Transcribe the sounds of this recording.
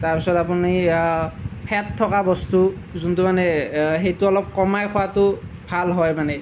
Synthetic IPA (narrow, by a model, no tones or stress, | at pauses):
taɹpisɔtapuni | pʰɛtʰːɔkabɔstu | zuntumanɛɦejtuɔlɔp̚kɔmajkʰɔwatʊ | bʱalɦɔjmanɛ